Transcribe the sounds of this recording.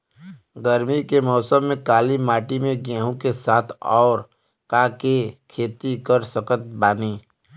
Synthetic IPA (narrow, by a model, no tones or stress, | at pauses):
ɡəɾmikemɔːsəmːẽkaːlimaːʈimẽɡɛːɦõkesaːt̪ʰɔːɾ | kaːkekʰeːt̪ikəɾsəkət̪̚baːniː